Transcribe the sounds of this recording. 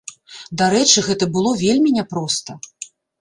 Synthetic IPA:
d̪aɾɛt͡ʂɨɣɛt̪ɐbɨlˠɔvʲelʲmʲinʲɛpɾɔst̪ɐ

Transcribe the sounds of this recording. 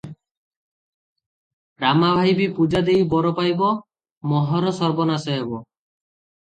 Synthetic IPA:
ɾamabʱajbipud͡ʒad̪ejbɔɾɔpajbɔ | mɔɦɔɾɔsɔɾbɔnasɔɦebɔ

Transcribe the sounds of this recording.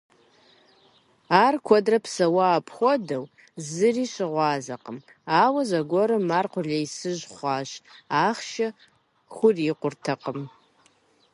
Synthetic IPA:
aːrkʷʰɔdrɐpʰsɐwaːpʰxʷɔdɐw | zɨriːɕɪʁʷɑːzɐqəm | aːwɐzɐɡʷɔɾɨmarqʷʊɮɐjsɨʒχʷɑːɕaːχʃɐ | χʷʊriqʷʊrtʰɐqəm

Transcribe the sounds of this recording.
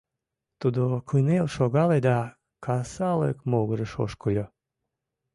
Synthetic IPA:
t̪ud̪okʰujnelʃoɣɑled̪ɑ | kʰɑsɑlə̰kmoɣəɾəʃo̰ʃkojo

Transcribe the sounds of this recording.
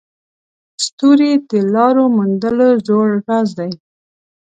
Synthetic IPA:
st̪uɾid̪əlɑɾomund̪əlozoɽɾazd̪aj

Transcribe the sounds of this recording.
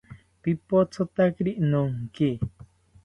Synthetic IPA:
pipot͡sʰot̪akɾiʔnuŋki

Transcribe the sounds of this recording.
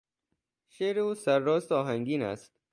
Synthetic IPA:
ʃeːɾeuːsæɾːɒːst̪ɒːɦæŋɡiːnæ̰st̪

